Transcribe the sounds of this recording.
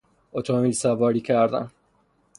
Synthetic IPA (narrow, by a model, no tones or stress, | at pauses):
ot̪ʰomilsævɒːɾiːkcʰæɾd̪æ̰n